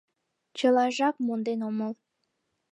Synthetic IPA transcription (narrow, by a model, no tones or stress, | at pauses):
t͡ɕəlɑʒɑkmond̪enoməl